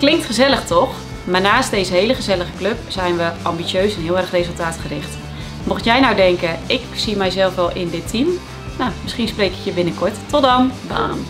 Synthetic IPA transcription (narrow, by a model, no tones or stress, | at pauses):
klɪŋktχəzɛlˠəxtʰɔx | marnaːstdeːzəɦeːləɣəzɛlˠəɣəkløpsɛjnʋəʔɑmbit͡sjøːsɛnɦiəlˠɛrəxrezəlˠtaːtχərɪxt | mɔxtjɛjnawdɛŋkəɪksimɛjzɛlˠfʋɛlˠʔɪndɪtʰim | namɪsχinspreːkɪ̥kjəbɪnəkʰʊɹttɔdɔmbəa̰ːn